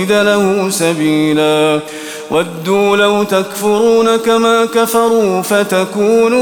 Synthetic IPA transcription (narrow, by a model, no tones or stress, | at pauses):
ɪd̪alahʊsabiːlaː | wʔad̪ːuːlawt̪akfʊɾuːnakamaːkafɑɾˤuːfat̪akuːnː